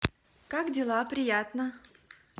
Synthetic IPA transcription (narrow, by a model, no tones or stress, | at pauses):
kakdʲɪlˠapɾʲɪjat̪nə